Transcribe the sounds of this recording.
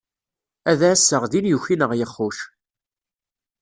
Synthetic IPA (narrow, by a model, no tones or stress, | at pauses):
æðæsːəʁðinjuçinəʁjəχːuʃ